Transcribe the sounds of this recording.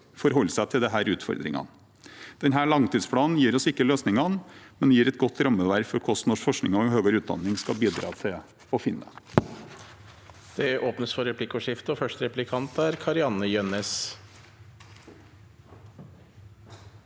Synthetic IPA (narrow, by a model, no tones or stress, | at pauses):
fɔɾɦɔlːsæɪt̪ʰɪld̪ɛɦæːɾʉːt̪fɔ̰ɾd̪ɾɪ̰ŋɑ̰n | d̪̥ɛnɦæːɭɑŋt̪iːd̪spʰɽɑːnn̩jiːɾɔsɪkːəløːsnɪŋɑnmɛnd̪ɛjiːɾɛt̪ɡɔt̪ːɾɑmːəʋæɾfɔɾkʰɔst̪nɔʂfɔʂknɪŋɔɦøːɡəɾʉːt̪̚d̪ɑ̰nːɪŋskɑlbiːd̪ɾɑ̰ːt̪ʰɪl | ɔfɪnːə̰ | d̪̥ɛʔoːpnəsfɔɾɛplɪkʊʂɪft̪ɔfœʂʈɾɛplɪkʰɑnt̪æɾkʰɑɾɪɑnːəjœnɛs